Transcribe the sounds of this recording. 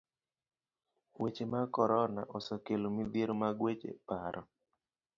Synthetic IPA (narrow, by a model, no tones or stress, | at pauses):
wet͡ʃemakɔɾɔnaʔɔsɔkelomid̪jeɾomaɡwet͡ʃḛpaɾʔɔ